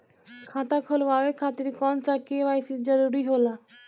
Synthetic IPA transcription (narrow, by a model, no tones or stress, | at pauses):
kʰãt̪akʰolbaɾekʰat̪iɾkɔnt͡ɕakiebajsid͡ʑaɾuɾiɦola